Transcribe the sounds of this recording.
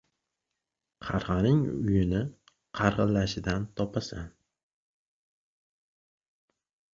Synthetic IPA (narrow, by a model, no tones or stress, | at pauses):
qʰɑɾʁɑnɪŋʊ̰jɪnɪ | qʰɑɾʁɨlːaʃɪd̪ant̪ʰɒpʰasan